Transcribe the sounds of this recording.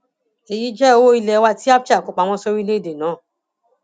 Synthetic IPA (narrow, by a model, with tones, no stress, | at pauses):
e˨ji˨˦d͡ʒɛ˦o˦i˧lɛ˧˦˧wa˧ti˦a˦pt͡ʃa˦˨kɔ˨k͡pa˨w̃ɔ̃˧˦so˦ɾi˦le˦i˦˨de˨nãː˨˦˨